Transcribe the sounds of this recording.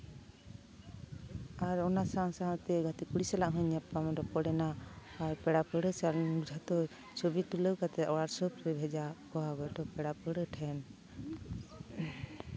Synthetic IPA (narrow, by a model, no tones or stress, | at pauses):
aɾɔnasaŋsaɦt̪ɛɡʱat̪ikuɽisɛlaʔɦɔɲapamɔdɔpɔɽɛnaːɾpɛɽapəɽəsalud͡ʒʱat̪ɔ | sɔbit̪uləwkat̪ɛɔɽaɾsəbɾɛbʱɛd͡ʒakɔɦaɡɔʈɔpɛɽapəɽəʈʰɛn